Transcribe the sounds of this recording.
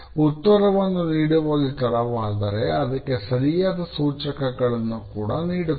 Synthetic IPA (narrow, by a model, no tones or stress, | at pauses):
ut̪ːɐɾɐʋɐnːuniːɽuʋoːɡit̪ɐɽɐʋaːd̪ɐɾe̞ɐd̪ɐkːe̞sɐɾijaːd̪ɐsuːt͡ʃɐkɐɡɐɭɐnːukuːɽɐniːɽu